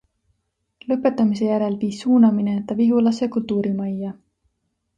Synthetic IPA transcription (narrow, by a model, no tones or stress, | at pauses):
lɤ̞pːˑe̞t̪ːˑɑmis̬e̞jæɾe̞lviːsːuːnɑminet̪ːˑɑviɦulɑsekult̪uːɾimɑjːɑ